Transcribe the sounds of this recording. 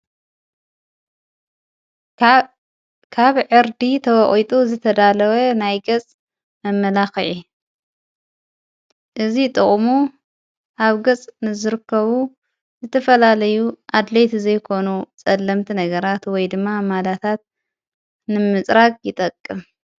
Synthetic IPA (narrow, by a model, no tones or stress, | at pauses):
kʰaβʕɨɾd̪it̪ʰɐwɔʔʼit̪ʼuzɨt̪ʰɐd̪alɐwɐnajɡɐt͡sʼ | mɐmːɐlaxɨʕi | ʔɨzit̪ʼɨχʼmu | ʔaβɡɐt͡sʼnɨzɨɾɨkʰːɐβu | zɨt̪ʰɐfɐlalɐjuʔad̪lejt̪zɐjkʰo̞nut͡sʼɐlːɐmt̪ʰinɐɡɐɾat̪wɔjd̪ɨmːamalat̪ʰat̪̚ | nɨmɨt͡sʼɾakʼjɪt̪ʼɐkʼːɨm